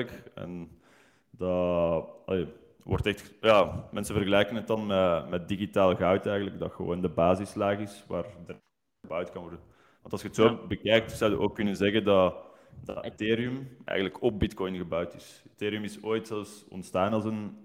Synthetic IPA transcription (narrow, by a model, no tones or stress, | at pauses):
əkɛ̰n | dɑ | ɑ̰leː | wɔ̰rtɛxtjaːmʔɛnsəvərɣəlɛjkənɦətɑnmɛmɛt̚diɣitaːləɣœwtɛjɣənləɡdɑ̰xəʋo̰ːndəbaːzɪslaːɣɪsʋaːrdər | əbœwtkɑnʋɔrdən | ʋɑntɑlˠsxətsoːbəkɛjk̚tsœwdə̰ʔoːkːʏnənzɛɣəndɑ | dɑ̰teːɾiɵmɛ̰ːjɣən̩tləkɔp̚bɪtkɔjnɣəbœwtɪ̥səteːɾiɵmɪsoːjtsɛlfsɔ̰ntstaːnɑlˠsən